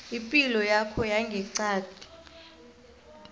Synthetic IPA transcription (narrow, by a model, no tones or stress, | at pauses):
ipʼilɔjakʰɔjaŋɡʱɛǀaːd̥ʱi̥